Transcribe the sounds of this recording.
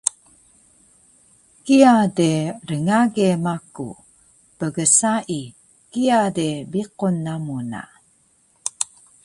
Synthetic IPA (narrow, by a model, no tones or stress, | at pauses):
kiadeɾəŋaɡemakṵ | pəɡəsaʔi | kiadebiqunːamuna̰